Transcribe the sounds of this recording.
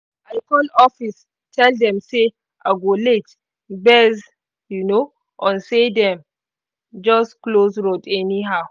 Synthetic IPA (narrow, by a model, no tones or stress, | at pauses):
aɪkɔlɔfis | tʰɛldɛ̃mse | ʔaɡolet | bɛz | juno | ʔɔ̃nsedɛ̃m | d͡ʒɔsklosɹodɛniɦaʊ